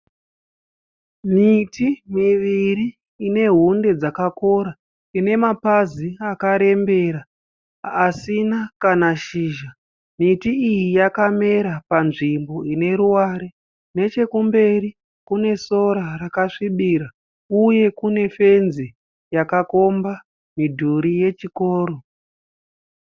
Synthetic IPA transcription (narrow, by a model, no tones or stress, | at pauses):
mitimiʋiɾiː | ne̞ɦunde̞d͡zakako̞ɾa | ine̞mapaziakaɾe̞mbe̞ɾa | asinakanaʃiːʒa | mitiijijakame̞ɾapanʐimbo̞ine̞ɾuwaɾe | ne̞t͡ʃe̞kumbe̞ri | kune̞so̞ɾarakaʂiɓiːɾa | uje̞kune̞fe̞nzi | jakako̞mba | midʱuɾije̞t͡ʃikoːɾo̞